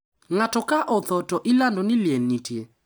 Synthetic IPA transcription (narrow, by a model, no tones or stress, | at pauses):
ŋatɔkaʔɔθɔtɔʔɪlandɔnɪljenitje